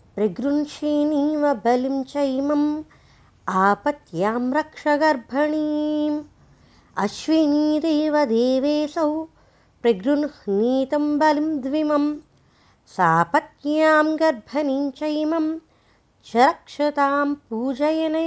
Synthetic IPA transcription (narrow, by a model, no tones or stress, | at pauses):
pɾiɡɾunʃiːniːʋɐbɐlimt͡ʃɐjmɐm | aːpɐt̪jaːmɾɐkʂɐɡɐɾbʱɐɳiːm | ɐʃʋiniːɾeːʋɐd̪eːʋeːsɐw | pɾiɡɾunhniːt̪ɐmbɐlimd̪ʋimɐm | saːpɐt̪jaːmɡɐɾbʱɐniɲt͡ʃɐjmɐm | t͡ʃɐɾɐkʂɐt̪aːmpuːd͡ʒɐjɐnɐ